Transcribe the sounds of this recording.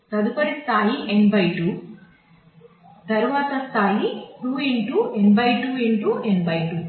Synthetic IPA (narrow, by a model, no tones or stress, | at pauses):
t̪ɐd̪upɐɾist̪ʰaːjiʔenbɐjʈuː | t̪ɐɾuʋaːt̪ɐst̪ʰaːjipɾuːeɳʈuːenbɐjʈuːeɳʈuʔenbɐjʈu